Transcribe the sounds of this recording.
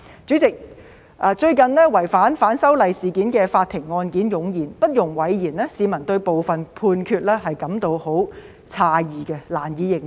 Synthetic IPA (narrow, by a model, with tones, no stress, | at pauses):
t͡syː˨˥t͡sɪ˨k̚ | ʔaː˨˧t͡ʃɵ˧ɥkɐ˨nlɛː˥wɐ˨˩jfaː˨˥nfaː˨˥nsɐ˥wlɐ˨jsiː˨˩kiː˨˥nkɛː˧faː˧t̚t̪ʰɪ˨˩ŋːɔː˧nkiː˨˥njʊ˨ŋjiː˨˩npɐ˥t̚jʊ˨˩ŋwɐ˨˥jjiː˨˩nlɛː˥siː˨˧mɐ˨˩nt̪ɵ˧ɥpo˨wfɐ˨npʰuː˧nkʰyː˧t̚lɛː˥ɦɐ˨jkɐ˨˧˥mt̪o˧who˨˥w | t͡sʰaː˧jiː˨˩kɛ˧laː˨˩njiː˨˧jɪ˨ŋ